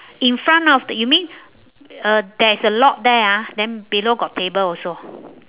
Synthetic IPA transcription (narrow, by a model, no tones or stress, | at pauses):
ĩnfɹãnɔfdəjumĩn | ədɛisəlɔt̚dɛadɛ̃nbiloɡɔt̚tebəlɔso